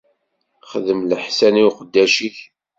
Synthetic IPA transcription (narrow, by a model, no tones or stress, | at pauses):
χəðəmləħsæniwqəd̪ːæʃiç